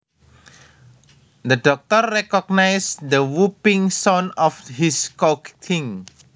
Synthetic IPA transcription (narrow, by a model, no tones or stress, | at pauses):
d̪əɖɔk̚t̪ɔrːɛkɔɡ̚najsd̪əwupiŋsɔnɔfhiskɔkt̪ʰĩŋ